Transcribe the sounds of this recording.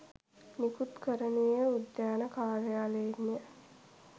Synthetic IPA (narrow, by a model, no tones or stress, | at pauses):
nikut̪kəɾənujəud̪jaːnəkaːlealeinə